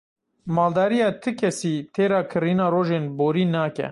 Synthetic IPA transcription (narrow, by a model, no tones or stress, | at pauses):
mɑːld̪ɑːɾijɑːt̪ʰɨkʰɛsiːt̪ʰeːɾɑːkʰɨɾiːnaːroːʒeːnboːɾiːnaːkɛ̰